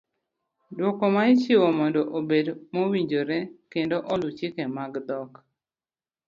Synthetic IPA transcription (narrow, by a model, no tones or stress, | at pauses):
dwɔkɔmaɪt͡ʃɪwɔmɔndɔʔobedmowiɲd͡ʒoɾekendoʔolut͡ʃɪkemaɡd̪ɔk